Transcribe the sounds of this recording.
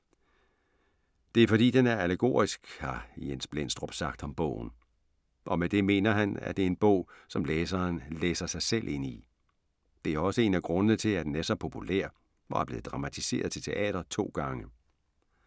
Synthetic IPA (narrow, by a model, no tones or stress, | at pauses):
d̥e̝æɐfɒ̽ɾ̥ḭːd̥enæɐæleɡ̥o̝̰ːɐisɡ̥hɑ̈jensb̥lensd̥ʁɔ̽b̥sɑ̈ɡ̥d̥ɒ̽mb̥ɔ̰ʊn̩ | ʔɒ̽med̥e̝me̝̰ːnɐɦænæ̰d̥e̝e̝nb̥ɔ̰̽ʊ̰sɒ̽mleːsɐːnleːsɐsɑ̈ɪselʔe̝ni | d̥e̝æɐɒ̽səe̝ːnæɡ̥ʁɔ̽nənət͡sʰe̝læd̥enæsɒpʰo̝pʰulæ̰ɐ̰ | ʋɒæɐb̥le̝ːð̩ˠd̥ʁɑ̈mæt͡sʰise̝̰ːɐð̞ˠt͡sʰe̝lt͡sʰe̝ʔɛ̰ːɾ̥ɐt͡sʰo̝̰ːɡ̥ɑ̈ŋə